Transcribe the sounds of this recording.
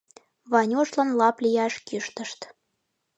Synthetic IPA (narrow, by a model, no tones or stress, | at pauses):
βɑnʲoʃlɑnlɑplʲijɑʃkiʃt̪ə̆ʃt̪